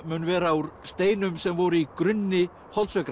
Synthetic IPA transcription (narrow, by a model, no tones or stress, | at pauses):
mʏːnvɛːɾauɾst̪eːjnʏmsɛmvɔɾʏikɾʏnːɪ | hɔlt̪svɛkɾ